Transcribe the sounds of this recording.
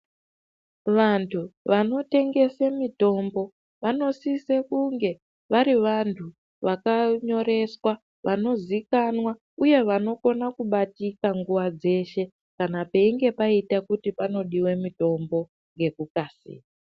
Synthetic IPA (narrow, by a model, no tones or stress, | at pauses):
ʋantʰuʋano̞te̞ŋɡe̞semito̞mbo̞ | ʋano̞sise̞kuŋɡe̞ | ʋaɾiʋantʰu | ʋakaɲo̞ɾe̞swa | ʋʔano̞zikanwa | uje̞ʋano̞ko̞nakuɓatikaŋɡuʋad͡ze̞ʃe̞ | kanapeiŋɡe̞paitakutipano̞ɗiwe̞mito̞mbo̞ | ŋɡe̞kukasḭːa